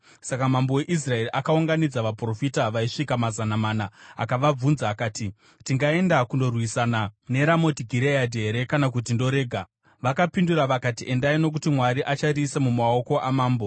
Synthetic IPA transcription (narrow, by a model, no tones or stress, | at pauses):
sakamambowe̞ʔis̬rae̞riʔakauŋɡanid͡zaʋapro̞fitaʋaiʂikamazanamaːnaa̰kaʋab͡vunzaːkaːti | tiŋɡae̞ndakundo̞rwisanane̞ɾamo̞tiɡʱiɾeadʱiɦe̞ɾe̞kanakutindo̞ɾe̞ːɡʱa | ʋakapinduɾaʋakatiʔe̞ndaino̞k̬utimwaɾiʔat͡ʃarisemumao̞ko̞ʔamaːmbo̞